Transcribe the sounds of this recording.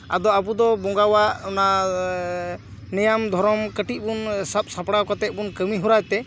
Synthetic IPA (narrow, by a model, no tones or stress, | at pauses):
a̰d̪ɔabud̪ɔbɔŋɡawaʔɔna | nɛjamd̪ʱɔɾɔmkəʈibunsap̚sapɽakat̪ɛt̪̚bunkəmiɦuɾajt̪ɛ